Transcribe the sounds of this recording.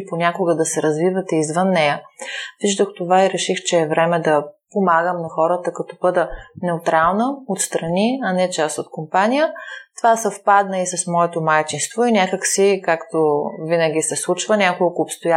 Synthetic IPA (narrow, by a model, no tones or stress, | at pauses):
ponʲakoɡəd̪ɐsɛɾɐzvivɐt̪ɛizvənːɛjəviʒd̪oxt̪ovaiɾɛʃixt͡ʃɛːvɾɛmɛd̪ɐpomaɡəmnɐxɔɾət̪əkɐt̪ɔbɤd̪ənɛʊt̪ɾalˠnəot̪st̪ɾɐniɐnɛt͡ʃast̪ot̪̚kompanʲijət̪ovasɐfpad̪nəisɐsmɔɛt̪omajt͡ʃinst̪voinʲjakəksikakt̪ovinəɡ̟ʲisɛslˠut͡ʃvənʲakolˠkoːpst̪oja